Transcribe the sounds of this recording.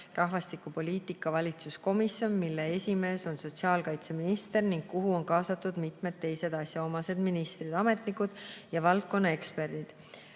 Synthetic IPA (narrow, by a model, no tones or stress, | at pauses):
rʔɑɦvɑst̪ikupo̞lʲiːt̪ikːˑɑvɑlʲit̪susko̞misjo̞nmilːe̞e̞sʲime̞ːso̞nso̞t̪siɑːlkɑjt̪se̞minist̪e̞rniŋɡ̥̚kuɦuo̞nkɑːsɑt̪ːud̪̥mit̪ˑme̞d̪̚t̪ːe̞jse̞d̪ɑsʲjɑo̞mɑse̞d̪̥minist̪rid̪ɑme̞t̪nikud̪̥jɑvɑlt̪̚ko̞nːɑe̞kspe̞rd̪̥id̪̥